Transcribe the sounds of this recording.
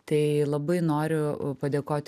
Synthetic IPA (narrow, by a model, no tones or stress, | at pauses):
t̪ɐɪlˠɐbɐɪnoːɾʲʊpɐd̪ʲeːkoːt̪ʲ